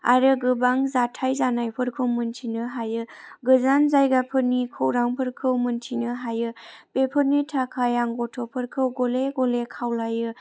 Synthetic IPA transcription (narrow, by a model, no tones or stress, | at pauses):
a̰ɾɯɡɯbaŋzatʰajzanajpʰɯɾkʰɯwmɯntʰinɯɦajɯɡɯzanzajɡapʰɯɾnikʰowɾaŋpʰəɾkʰɯwmɯntʰinɯɦajɯpepʰɯɾnitʰakʰajaŋɡɔtʰɔpʰɯɾkʰɯwɡoleɡolekʰawlajɯ